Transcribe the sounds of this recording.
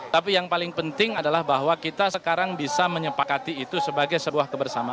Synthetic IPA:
t̪apijaŋpalɪŋpənt̪ɪŋadalahbaɦwakit̪asəkaɾaŋbisaməɲəpakat̪iːt̪usəbaɡajsəbuahkəbərsama

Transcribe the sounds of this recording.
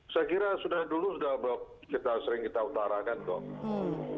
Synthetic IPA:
skiɾasudahdulusudahbp̚ | kit̪asəɾɪŋkit̪aut̪aɾakant̪ɔ̰k

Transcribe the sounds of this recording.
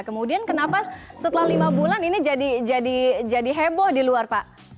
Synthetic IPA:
kəmudiankənapasət̪əlahlimabulaninid͡ʒadid͡ʒadid͡ʒadiɦebɔhdiluarpaʔ

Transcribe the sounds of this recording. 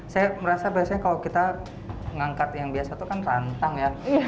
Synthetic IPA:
sajaməɾasabaasaɲakalawkit̪a | ŋaŋkat̪jaŋbiasat̪ukanrant̪aŋja

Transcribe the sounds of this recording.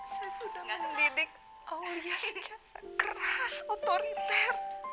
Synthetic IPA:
sajasudahŋɡaŋəndinɪk̚ | ʔajast͡ʃakərasot̪oɾit̪ɛr

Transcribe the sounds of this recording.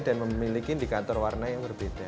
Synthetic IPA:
danməmilikind̪ikat̪ɔrwarnajaŋbərb̥ed̪a

